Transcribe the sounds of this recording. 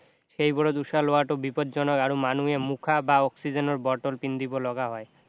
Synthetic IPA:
ʃejbɔɽod̪uʃaloaʈobipɔd̪d͡ʒɔnɔkaɾomanuemukʰabaɔksid͡ʑenoɾbɔɾʈolpind̪ibolɔɡaɦɔe

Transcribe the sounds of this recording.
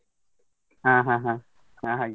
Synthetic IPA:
ãɦãɦã | ãɦãj

